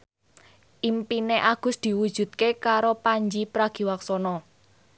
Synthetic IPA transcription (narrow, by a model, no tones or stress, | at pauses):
ʔimpineʔaɡ̥ʊ̤sd̪̥i̤wud̥ʒ̥ṳt̪̚kekaɾopaɲd͡ʒipɾaɡ̥i̤waksɔnɔ